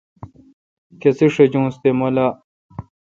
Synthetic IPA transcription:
kesiʂed͡ʑũːst̪emola

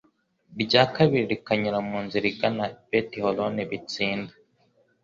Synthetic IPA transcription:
ɾɟaːkaβiɾiɾikaɲuɾamuːnziɾiɡanabetiholoniβit͡siːnda

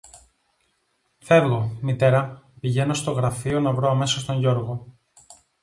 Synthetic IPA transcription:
θe̞ɾɣo̞mit̪e̞ɾɐpiʝe̞no̞st̪o̞ɣɾɐfio̞nɐvɾoɐme̞sɐst̪o̞ɲʝo̞ɾɣo̞

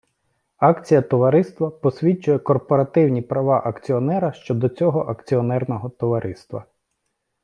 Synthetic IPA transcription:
ɑkt͡sʲijɐt̪ɔʋɐɾɪst̪ʋɐpɔsʲʋʲit͡ʃʊjɛkɔrpɔɾɐt̪ɪwnʲipɾɐʋɑʔɐkt͡sʲiɔnɛɾɐʃt͡ʃɔd̪ɔt͡sʲɔɦɔʔɐkt͡sʲiɔnɛrnɔɦɔt̪ɔʋɐɾʔɪst̪ʋɐ̰

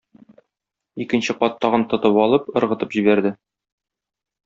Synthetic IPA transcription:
ikɘ̆nɕɘqɒt̪ːɒʁɤnt̪ɤ̆t̪ɤpɒlˠɤpɤ̆ɾʁɤ̆t̪ɤpʑibæɾd̪ɘ

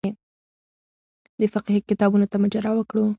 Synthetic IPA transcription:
e | d̪əfaqihikɪt̪ɑbunot̪amad͡ʒaɾɑwəkɽu

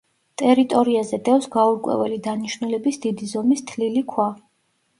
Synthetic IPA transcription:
t̪ʼɛɾit̪ʼɔɾiazɛd̪ɛfsɡauɾkʼwɛ̰vɛlid̪aniʃnulɛbisd̪id̪izɔmist̪ʰlilikʰwa

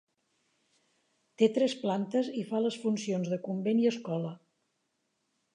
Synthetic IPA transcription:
t̪et̪ɾɛsplant̪əzifaləsfunsionzðəkumbeniəskɔlə

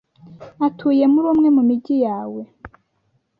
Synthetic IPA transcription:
atʰuːje̞muɾuːmŋe̞mumiɟijaːwe̞

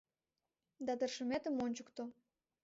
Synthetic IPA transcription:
d̪ɑt̪ə̆rʃə̆met̪ə̆monʲt͡ɕukt̪o

